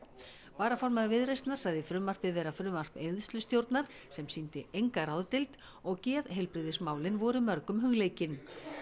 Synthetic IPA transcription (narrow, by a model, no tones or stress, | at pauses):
paːɾafɔɾmaðavɪðɾejst̪naɾ̥saðɪfɾʏːmar̥pɪvɛːɾafɾʏːmar̥peðst̪lʏst̪jowɾt̪naɾ̥ | sɛmsint̪ɪʔejŋkaɾaːwðt̪ɪlt̪ | ɔɣcɛːðɦejlpɾɪðɪsmaːwlɪnvɔːɾʏɪmœɾkʏmɦʏɣleːjcɪn